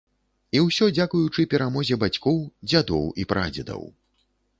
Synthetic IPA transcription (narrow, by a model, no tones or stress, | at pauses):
iwsʲɔd͡zʲakujut͡ʂɨpʲɛɾamɔzʲɛbat͡sʲkɔwd͡zʲad̪ɔ̰wipɾad͡zʲɛd̪ɐ̰w